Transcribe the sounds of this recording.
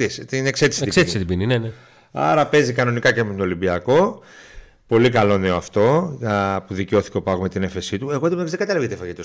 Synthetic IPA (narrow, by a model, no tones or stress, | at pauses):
ist̪inekset̪i̥se̥t̪set̪set̪ibininene | ɐ̰ɾɐpe̞zikɐno̞nikɐcemet̪oolimbiɐko̞ | po̞likɐlo̞neɐft̪o̞ | puðiceo̞θi̥ceopɐɣome̞t̪ine̞fe̞sit̪ue̞ɣoeðimɐzðe̞ɡɐt̪ɐlɐvɣet̪efɐʝit̪os